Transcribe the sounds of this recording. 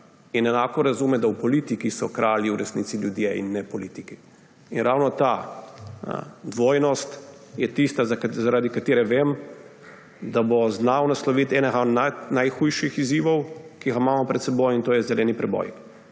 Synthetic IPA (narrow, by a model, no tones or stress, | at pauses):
inɛnaːkɔɾazumɛd̪awpɔlit̪ikisɔkɾʔaːliuɾɛsniːt̪siljud̪jeḭnːɛpɔliːt̪iki | inɾawnɔt̪a̰ | d̪ʋoːjnɔst̪ | jɛt̪ist̪azakzaɾaːd̪ikat̪eːɾɛʋem | d̪aboznawnaslɔʋit̪ɛːnɛɣananajxujʃixiziːʋɔwkiɡamaːmɔpɾɛt̪sɛbojint̪oːjɛzɛlɛːnipɾɛbɔ̰j